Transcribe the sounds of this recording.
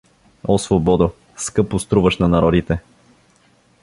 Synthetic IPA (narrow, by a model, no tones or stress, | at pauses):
osvobɔd̪o | skɤpʊst̪ɾuvəʃnɐnɐɾɔd̪it̪ɛ